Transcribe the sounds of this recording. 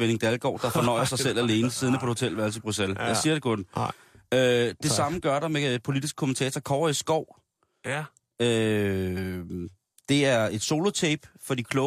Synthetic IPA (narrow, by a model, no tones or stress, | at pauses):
ʋene̝ŋd̥ælɡ̥ɒ̰ːd̥ɑ̈fɒ̽nɒ̽ɪ̰ɐsɑ̈ɪsel̰æle̝ːnəsiðˠn̩æpʰɒ̥̽e̝ho̝t͡sʰel̰ʋæɐlsəib̥ʁuseljɑ̈siɐɾ̥e̝kʰɔ̽nn | ød̥e̝sɑ̈məɡ̥ɶɐɾɑ̈me̥pʰo̝lid̥isɡ̥̚kʰomən̩t͡sʰɛːt͡sʰɒkʰɒʊɐisɡ̥ɒʊ̰ | ø | d̥e̝æɐe̝d̥so̝lo̝t͡sʰeːb̥fɒ̽d̥ḭːkʰlɔ̽